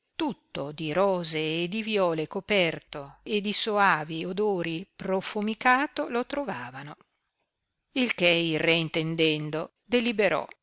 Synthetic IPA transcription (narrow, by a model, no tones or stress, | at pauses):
t̪ut̪ːod̪iɾɔːzeːd̪ivjɔːlekopɛrt̪oed̪isoaːviod̪oːɾiprofumikaːt̪olot̪ɾovaːvano | ilkeilreint̪end̪ɛnd̪o | d̪elibeɾɔ̰